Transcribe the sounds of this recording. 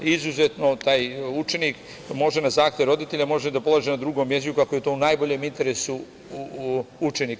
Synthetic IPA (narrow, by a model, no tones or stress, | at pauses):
izuzet̪no̞t̪aːjut͡ʃe̞nik | mo̞ʒenazaːxt̪jevɾo̞d̪it̪e̞ʎamo̞ʒed̪apo̞lˠaːʒenad̪ɾuɡo̞mjezit͡ʃukakoje̞t̪o̞unajboʎeːmint̪e̞ɾesu | ut͡ʃenik